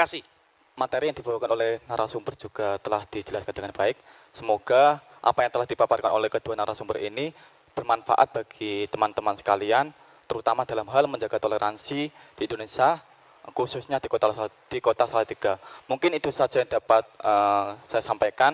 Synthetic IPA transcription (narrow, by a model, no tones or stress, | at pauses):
kasi | mat̪eɾijaŋdibawakanolɛhnaɾʔasumbərd͡ʒuɡ̥at̪əlahd̥id͡ʒəlaskandəŋanbaɪk̚ | səmoɡ̥a | ʔa̰pajaŋt̪əlahd̥ipaparka̰nolɛhkəd̥uanaɾasumbərḭni | b̥ərmanfa̰ʔa̰t̪̚b̥aɡ̥it̪əmant̪əmansə̥kalian | t̪əɾut̪amad̥alamɦalməɲd͡ʒaɡat̪oleɾʔansid̥iindonesia | kususɲadikot̪a | d̥ikot̪asalat̪iɡ̥amuŋkɪnit̪usad͡ʒajaŋdapat̪̚əsajasampajkan